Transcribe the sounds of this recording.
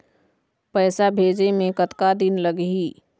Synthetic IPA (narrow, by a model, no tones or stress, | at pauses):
pɛːsabʱeːd͡ʒemẽkət̪kad̪ɪnləɡɦiː